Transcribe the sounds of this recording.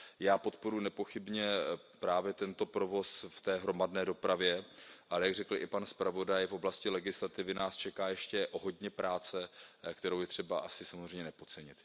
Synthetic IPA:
jaːpo̞t̪po̞ɾujnɛpo̞xɪbɲɛ | pɾaːvjɛt̪ɛnt̪o̞pɾo̞vo̞sft̪ɛːɦɾo̞madnɛːdo̞pɾavjɛʔalɛjaɡr̝ɛkl̩ʔɪpanspɾavo̞dajfʔoblascɪlɛɡɪslat̪ɪvɪnaːst͡ʃɛkaːjɛʃcɛʔoɦo̞dɲɛpɾaːt͡sɛkt̪ɛɾowjɛt̪r̝̥ɛbaʔasɪsamo̞zr̝eɛjmɲɛnɛpo̞t͡sɛɲɪt̪

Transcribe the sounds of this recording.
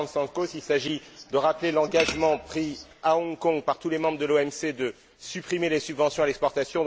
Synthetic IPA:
sɑ̃kosilsaʒid̪əʁaplelɑ̃ɡaʒmɑ̃pχiaɔ̃ŋkɔ̃ŋɡpaʁt̪ulemɑ̃bʁəd̪əloɛmsed̪ə | sypχimelesybvɑ̃sjɔ̃alɛkspɔʁt̪asjɔ̃

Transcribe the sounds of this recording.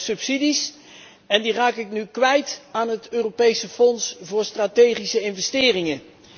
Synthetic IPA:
sɵpsidis | ɛndiraːkɪknykʋɛjtaːnɦətøːropejsəfɔnsvʊːɹstraːtejχisəɪnvɛstɪːrɪŋə

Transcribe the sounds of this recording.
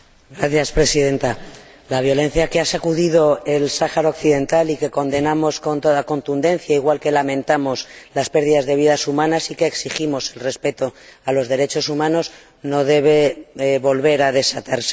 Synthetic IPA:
ɡɾaθjaspɾe̞siðe̞nt̪a | laβjo̞le̞n̟θjake̞asakuðiðo̞e̞lsaxaɾaokθiðe̞nt̪alike̞ko̞nd̪e̞namo̞sko̞nt̪o̞ðako̞nt̪und̪e̞nθjaiɣwalke̞lamẽ̞nt̪amo̞slaspe̞ɾð̞iðazðe̞β̞iðasumãnasikeːksiximo̞se̞lre̞spe̞t̪o̞alo̞zðe̞ɾe̞t͡ʃo̞sumãno̞z | no̞ðe̞β̞e̞βo̞lβe̞ɾað̞e̞sat̪aɾse̥

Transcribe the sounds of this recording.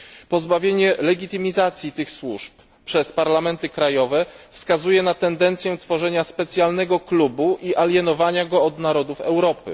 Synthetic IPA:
pɔzbavʲjeɲɛlɛɡʲit̪ɘmʲizat̪sʲjit̪ɘxswuʂp | pʂɛspaɾlamɛnt̪ɘkɾajɔvɛfskazujɛnat̪ɛnd̪ɛnt̪sʲjɛt̪fɔʐɛɲaspɛt̪sʲjalnɛɡɔklubuʔiʔalʲjɛnɔvaɲaɡɔːd̪naɾɔd̪ufɛ̰wɾɔpɘ̰

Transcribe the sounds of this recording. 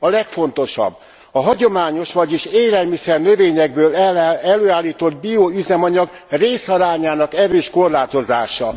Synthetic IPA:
ɒlɛkfo̞nt̪o̞ʃɒ̰bː | ɒɦɒɟo̞maːɲo̞ʃʋɒɟiʃeːlɛlmisɛrnø̞veːɲɛɡ̚bøːlɛløːaːlːiːt̪o̞d̪̚bioyzɛmɒɲɒɡ | reːsɒɾaːɲaːnɒkɛɾøːʃko̞rlaːt̪o̞zaːʃɒ

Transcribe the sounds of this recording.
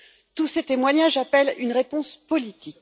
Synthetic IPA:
t̪uset̪emwaɲaʒapɛlynʁepɔ̃spɔlit̪ʰik̚

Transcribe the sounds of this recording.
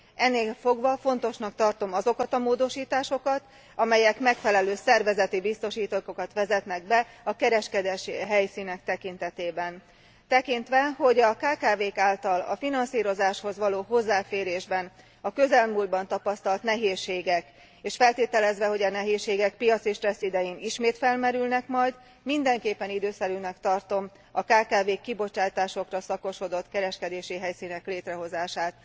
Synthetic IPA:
ɛnːeːlfo̞ɡʋɒfo̞n̪t̪o̞ʃnɒk̚t̪ɒrt̪o̞mɒzo̞kɒt̪ɒmoːd̪o̞ʃiːt̪aːʃo̞kɒt̪ | ɒmɛjɛkmɛkfɛlɛløːsɛrvɛzɛt̪ibist̪o̞ʃiːt̪okokɒt̪ʋɛzɛt̪nɛɡ̚bɛɒkɛɾɛʃkɛd̪ɛʃɦɛjsiːnɛk̚t̪ɛkint̪ɛt̪eːbɛn | t̪ɛkint̪ʋɛɦo̞ɟɒkaːkaːveːkaːlt̪ɒlɒ̰finɒnsiːɾo̞zaːʃho̞zʋɒloːɦo̞zːaːfeːɾeːʒbɛn | ɒkø̞zɛlmuld̪̚bɒnt̪ɒpɒst̪ɒlt̪nɛɦeːʃːeːɡɛk | eːʃfɛlt̪eːt̪ɛlɛzʋɛɦo̞ɟɒnɛɦeːʃːeːɡɛk̚pijɒt̪siʃt̪rɛsːid̪ɛjiniʃmeːt̪fɛlmɛɾylnɛkmɒjd̪ | mind̪ɛŋkeːpːɛnid̪øːsɛɾynɛkt̪ɒrt̪o̞m | ɒkaːkaːveːkːibo̞t͡ʃaːt̪aːʃo̞krɒsɒko̞ʃo̞d̪o̞t̪kɛɾɛʃkɛd̪eːʃiɦɛjsiːnɛkleːt̪rɛɦo̞zaːʃaːt̪

